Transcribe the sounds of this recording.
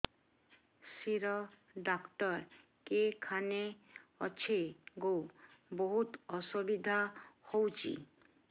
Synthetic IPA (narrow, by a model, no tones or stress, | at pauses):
siɾɔ | ɖakt̪ɔɾ | kekʰaneɔt͡ʃʰeɡowboɦut̪ɔsobid̪ʱahowt͡ʃʰḭ